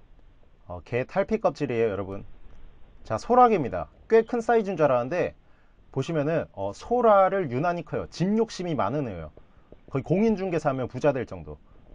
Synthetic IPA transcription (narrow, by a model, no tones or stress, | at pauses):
ʌ̰ke̞tʰaɭpʰik͈ʌp̚t͡ɕ͈iɾeojʌɾʌbun | t͡ɕasʰoɾaɡemɲida̰k͈we̞kʰɯns͈aid͡ʑuŋd͡ʑaɾanɯnde̞ | poɕʰimjʌnɯnʌsʰoɾaɾɯɭjunaɲikʰajo̰t͡ɕimɲok̚ɕ͈imima̰nɯnejo̰kʌikoŋind͡ʑuŋɡe̞sʰamjʌnpud͡ʑadweɭt͡ɕ͈ʌŋdo̰